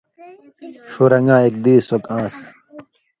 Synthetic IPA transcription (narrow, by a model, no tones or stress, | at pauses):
ɕoɾɐŋãːek̚d̪iːsokãːs